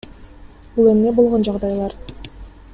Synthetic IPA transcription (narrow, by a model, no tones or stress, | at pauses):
b̥ulˠemne̞bo̞lˠʁond͡ʒɑʁd̪ɑjlˠɑɾ